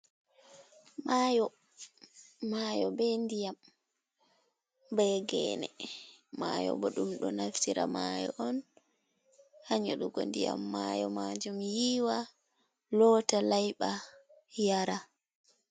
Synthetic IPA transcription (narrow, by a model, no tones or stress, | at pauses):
majɔ | majɔbɛndijam | bɛɡɛ̰nɛmajɔ̰bɔɗumɗɔnaftiɾamajɔʔɔn | haɲaɗuɡɔ̰ndija̰mːajɔmad͡ʒumjiːwa | lɔtalajɓa | jaɾa